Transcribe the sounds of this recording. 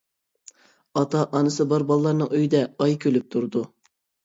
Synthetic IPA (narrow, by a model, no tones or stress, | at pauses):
ɑt̪ɑʔɑnɨsɨbɑɾbɑlˠlːˠɑɾnɨŋøjd̪ɛɑjkʲʰølyp̚t̪ʰuɾd̪u